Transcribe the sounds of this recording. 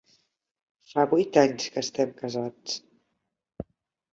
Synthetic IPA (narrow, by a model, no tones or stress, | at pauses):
faβujt̪aɲskəːst̪ɛmkəzat͡s